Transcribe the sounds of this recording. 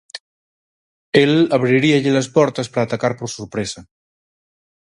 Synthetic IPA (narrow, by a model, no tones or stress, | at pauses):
elaβ̞ɾiɾiaʎelɐspɔɾt̪ɐspɾaːt̪akaɾpoɾsoɾpɾesa